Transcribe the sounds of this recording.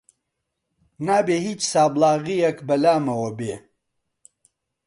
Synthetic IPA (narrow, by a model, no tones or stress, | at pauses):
naːbeːhiːt͡ʃsaːblˠaːɣijɐkbɐlaːmɐwɐbeː